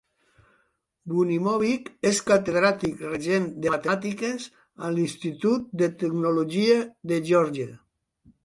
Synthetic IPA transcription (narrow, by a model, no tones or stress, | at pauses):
bunimɔβikeskat̪eðɾat̪ikreʒend̪eat̪et̪̬ikez | alinst̪it̪ut̪̚d̪et̪eknoloʒiaðeʒɔɾʒe